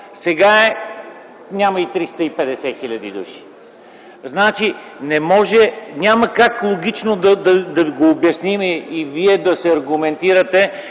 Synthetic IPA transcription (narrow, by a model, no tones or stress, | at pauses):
sɛɡaɛ | nʲaməit̪ɾist̪əipɛd̪ɛsɛxilʲɐd̪ḭd̪ṵʃi̥ | znat͡ʃinɛmɔʒɛnʲaməkaklˠoɡ̟ʲit͡ʃnod̪ɐd̪ɐd̪ɐiɡoːbjɐsnimɛiviɛd̪ɐsɛɐɾɡʊmɛnt̪iɾət̪ɛ